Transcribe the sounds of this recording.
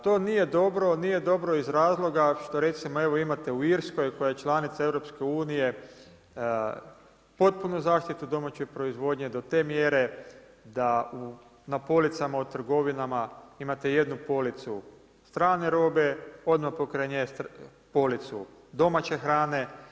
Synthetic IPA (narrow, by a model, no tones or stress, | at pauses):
t̪o̞ːnije̞d̪o̞bɾo̞nije̞d̪o̞bɾo̞izɾaːzlˠo̞ɡaʃt̪o̞ɾe̞t̪simo̞e̞ʋo̞imat̪e̞uiɾsko̞jko̞jajet͡ʃlˠanit̪sae̞ʋɾo̞pske̞uːnije̞ | po̞t̪̚punuzaːʃt̪it̪ud̪o̞mat͡ɕepɾo̞izʋo̞ːd̪ɲe̞d̪o̞t̪e̞ːmje̞ɾe̞ | d̪au | napo̞lit̪samaot̪r̩ɡo̞ʋinamaimat̪e̞je̞d̪nupo̞lit̪su | st̪ɾaːne̞ɾo̞ːbe̞o̞d̪mapo̞kɾeɲe | po̞lit̪sud̪o̞mat͡ɕe̞xɾaːne̞